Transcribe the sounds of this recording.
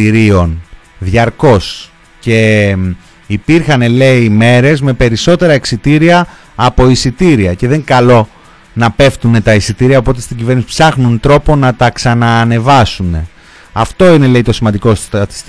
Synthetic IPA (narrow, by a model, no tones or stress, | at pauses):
iɾio̞n | ðʝɐɾko̞s | ce̞ | ipiɾxɐnele̞ime̞ɾe̞zme̞pe̞ɾiso̞t̪e̞ɾɐeksit̪iɾiɐː | po̞isit̪iɾiɐce̞ðe̞ŋkɐlo̞ | nɐpe̞ft̪une̞t̪ɐisit̪iɾiɐopo̞t̪̬e̞st̪iɟive̞ɾnisi̥psɐxnunt̪ɾo̞po̞nɐt̪ɐksɐnɐːne̞vɐsune̞ | ɐft̪o̞ine̞le̞it̪o̞simɐnd̪iko̞sɐt̪i̥st̪